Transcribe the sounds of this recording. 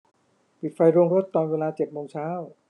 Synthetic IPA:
pi˨˩t̪̚fa˧jɾoː˧ŋɾo˦˥t̪ːɔː˨˧˩nweː˧laː˧t͡ɕe˨˩t̪̚moː˧ŋt͡ɕʰaː˦˥˩w

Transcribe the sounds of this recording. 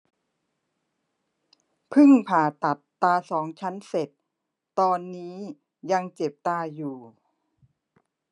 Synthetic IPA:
pʰɯ˥˩ŋpʰaː˨˩t̪a˨˩t̪ːaː˧sɔː˩˦ŋt͡ɕʰa˦˥nse˨˩t̪̚ː | ɔː˧nːiː˦˥ | ja˧ŋt͡ɕe˨˩p̚t̪aː˧juː˨˩

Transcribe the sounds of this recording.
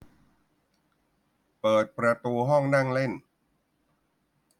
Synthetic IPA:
pɤː˨˩t̪̚pɾa˧t̪uː˧ɦɔ˥˩ŋna˥˩ŋle˥˩n

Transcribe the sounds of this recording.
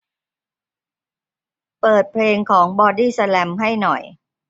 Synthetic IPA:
pɤː˨˩t̪̚pʰleː˧ŋkʰɔː˩˦ŋbɔː˧diː˥˩sa˧lɛ˧mɦa˥˩jnɔ̰˨˩j

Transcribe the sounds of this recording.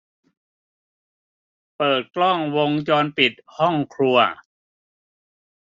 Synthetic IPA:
pɤː˨˩t̪̚klɔ˥˩ŋwo˧ŋt͡ɕɔː˧npi˨˩t̪̚hɔ˥˩ŋkʰɾu˧ɐ

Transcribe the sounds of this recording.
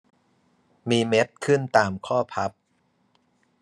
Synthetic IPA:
miː˧me˦˥t̪̚kʰɯ˥˩nt̪aː˨mkʰɔː˥˩pʰa˦˥p̚

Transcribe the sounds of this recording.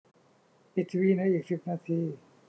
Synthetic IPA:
pi˨˩t̪ːʰwiː˧na˦˥ʔiː˨˩k̚si˨˩p̚naː˧t̪ʰiː˧

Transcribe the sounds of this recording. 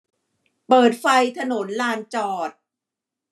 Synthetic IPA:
pɤː˨˩t̪̚fa˧jt̪ʰa˧no˩˦nlaː˧nt͡ɕɔː˨˩t̪̚

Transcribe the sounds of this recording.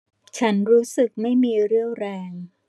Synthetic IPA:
t͡ɕʰa˦˥nɾuː˦˥sɯ˨˩k̚ma˥˩jmiː˧ɾɯ˥˩əŋɾɛː˧ŋ

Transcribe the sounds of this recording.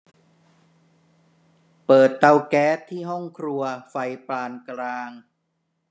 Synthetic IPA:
pɤː˨˩t̪ːa˧wkɛː˦˥t̪ʰːiː˥˩ɦɔ˥˩ŋkʰɾu˧ɐfa˧jplaː˧nkɾaː˧ŋ

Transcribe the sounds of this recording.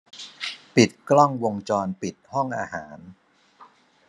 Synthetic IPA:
pi˨˩t̪̚klɔ˥˩ŋwo˧ŋt͡ɕɔː˧npi˨˩t̪̚hɔ˥˩ŋʔaː˧ɦaː˩˦n

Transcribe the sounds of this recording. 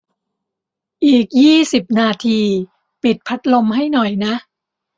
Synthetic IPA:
ʔiː˨˩k̚jiː˥˩si˨˩p̚naː˧t̪ʰiː˧ | pi˨˩t̪̚pʰa˦˥t̪̚lo˧mha˥˩jnɔ˨˩jna˦˥ʔ

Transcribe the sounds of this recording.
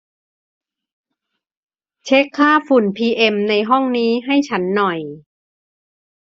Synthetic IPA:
t͡ɕʰe˦˥kʰːaː˥˩fu˨˩npʰiː˧ʔe˧mna˧jɦɔ˥˩ŋniː˦˥ɦa˥˩jt͡ɕʰa˦˥nːɔ˨˩j

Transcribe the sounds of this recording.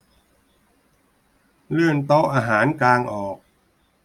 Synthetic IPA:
lɯ˥˩ənt̪o˦˥ʔaː˧ɦaː˩˦nklaː˧ŋʔɔː˨˩k̚

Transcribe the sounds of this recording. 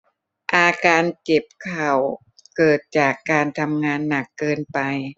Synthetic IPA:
ʔaː˧kaː˧nke˨˩p̚kʰa˨˩w | kɤː˨˩t̪̚t͡ɕaː˨˩kːaː˧nt̪ʰa˧mŋaː˧nːa˨˩kːɤː˧npa˧j

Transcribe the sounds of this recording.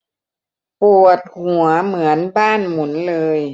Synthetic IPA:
pu˨˩ət̪̚hu˨˩˦ɐmɯ˩˦ənbaː˥˩nmu˩˦nlɤː˧j

